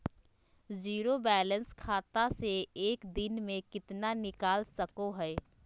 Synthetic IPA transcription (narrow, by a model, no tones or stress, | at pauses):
ziːɾobɛːlə̃nskʰaːt̪aseeːkd̪ɪnmẽkɪt̪nanɪkaːlsɐkoɦɛː